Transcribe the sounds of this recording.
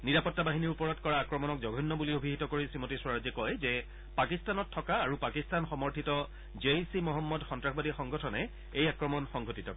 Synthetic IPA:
niɹapɔtːabaɦiniɹupɔɹɔtkɔɹaːkɹɔmɔnɔkzɔɡʱɔnːɔbuliobʱiɦitɔkoɹisimotiswaɹazɛkɔjzɛ | pakistanɔtʰːɔkaːɹupakistanxɔmɔɹtʰitɔ | d͡ʒesimɔɦɔmːɔdxɔntɹaxʰbadixɔŋɡɔtʰɔnɛ | ejakɹɔmɔnxɔŋɡʱotitɔk

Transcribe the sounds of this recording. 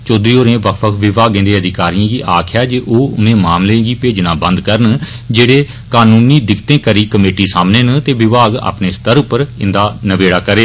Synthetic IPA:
t͡ʃoːd̪ɾiːoːɾẽːʋəkʰʋəkʰʋɪʋaːɡɪ̃nd̪eːəd̪ɪkaːɾiãːɡiːʔaːkʰjaːd͡ʒeːʔoːʊnẽːmaːmlẽːɡiːpeːd͡ʒnaːbə̃nd̪kəɾən | d͡ʒeːɽeː | kaːnuːniːd̪ɪkt̪ẽːkəɾiːkəmeːʈiːsaːmneːnt̪eːʋɪʋaːɡa̰ːpneːst̪əɾʊpəɾɪnd̪aːnəʋeːɽaːkəɾeː

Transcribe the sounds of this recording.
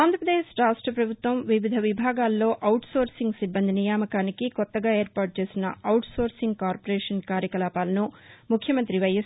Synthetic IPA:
aːnd̪ɾɐpɾɐd̪eːʃɾaːʂʈɾɐpɾɐbʱut̪ʋɐmʋiʋid̪ʱɐʋibʱaːɡaːlːo̞ːʔɐwʈso̞ːɾsiŋɡsibːɐnd̪ʱinijaːmɐkaːnikikɔt̪ːɐɡaːeːɾpaːʈ̚t͡ʃe̞ːsinɐ̰ʔɐwʈso̞ːɾsiŋɡkaːɾpoɾɛːʂɐnkaːɾjɐkɐlaːpaːlɐnumukʰjɐmɐnt̪ɾiʋɐjes

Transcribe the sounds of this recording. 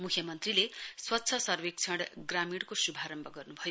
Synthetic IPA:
mukʰjʌmʌnt̪rileswʌtːsʰʌsʌrwek̚t͡sʰʌɽɡramiɽkosubʱaɾʌmbʱʌɡʌrnubʱʌjo

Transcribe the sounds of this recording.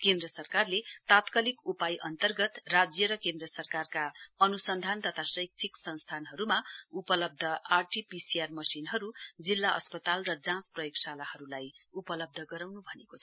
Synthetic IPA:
kẽnd̪rʌsʌrkarlet̪at̪kʌlikupajʔʌnt̪ʌrɡʌt̪rad͡zjʌɾʌkend̪rʌsʌrkarkaʌnusʌnd̪ʱant̪ʌt̪ʰasʌjk̚t̪ʰiksʌnst̪ʰanɦʌɾumaupʌlʌb̚d̪ʱʌarʈipisiarmʌsinɦʌɾud͡zilːaʔʌ̰spʌt̪alrʌd͡zãt͡sprʌjoksalahʌɾulajupʌlʌb̚d̪ʱʌɡʌɾawnubʱʌnekot͡sʰ

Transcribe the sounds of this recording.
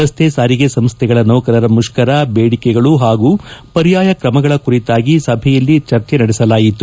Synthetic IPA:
ɐst̪ʰesaːɾiɡesɐmst̪ʰɛɡɐɭɐnɔːkɐɾɐɾɐmuʂkɐɾɐbeːɽikɛɡɐɭuɦaːɡupɐɾijaːjɐkɾɐmɐɡɐɭɐkuɾit̪aːɡisɐbʱɛjɐlːit͡ʃɐɾt͡ʃenɐɽɛsɐlaːjit̪ːu

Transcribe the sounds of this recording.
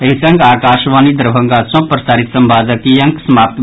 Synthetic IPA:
ɐɦisɐ̃ŋɡaːkaːʃʋaːnid̪ɐɾbʱɐ̃ŋɡaːsõːpɾɐsaːɾit̪sɐmbaːd͡zɐkijɐŋksɐmaːp̚t̪

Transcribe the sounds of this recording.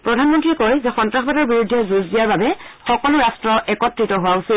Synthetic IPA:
pɹɔdʱanmɔntɹiɛkɔjzɛxɔntɹaxbadɔɹbiɹudʱːɛzuzdijaɹbabɛxɔkɔlʊɹastɹɔʔɛkɔtːɹitɔɦowausil

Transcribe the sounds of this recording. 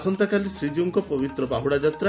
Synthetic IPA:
sɔnt̪akalisɾid͡ʒuŋkɔpɔbit̪ɾɔbaɦuɽad͡ʒat̪ɾa

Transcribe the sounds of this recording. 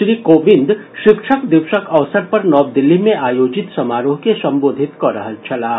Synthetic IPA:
ʃɾiːkoːʋɪ̃nd̪ʃɪkʃəkd̪ɪʋʃəkɐʋsəɾpɐɾnɔːb̚d̪ɪlːimẽʔaːjoːd͡ʒɪt̪sɐmaːɾõkesɐ̃mboːd̪ʱɪt̪kɐɾəɦənt͡ʃʰɐlaː

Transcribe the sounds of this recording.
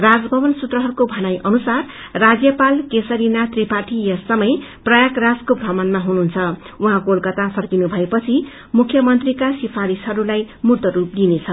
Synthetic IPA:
rad͡zbʱʌbʌnsut̪rʌɦʌɾukobʱʌnajʔʌnusarː | ad͡zjʌpalkesʌɾinat̪ripaʈʰijʌsʌmʌjprʌjakrad͡zkobʱrʌbʌnmaɦunuɦnt͡sʰʌ | uɦãkolkʌt̪apʰʌrkinubʱʌepʌt͡sʰi | mukʰjʌmʌnt̪rikasipʰaɾisɦʌɾulaj | murt̪ʌɾup̚d̪inet͡sʰʌ

